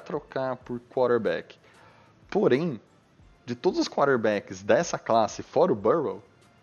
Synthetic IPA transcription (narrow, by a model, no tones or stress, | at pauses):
t̪ɾokaɾpʊɾkwaɾeɾbɛ̰kɪ̥ | poɾẽj̃ | d͡ʒɪt̪od̪ʊzʊskwaɾeɾbɛkɪzd̪ɛsɐklasɪfɔɾɐʊbɛɾbo̰w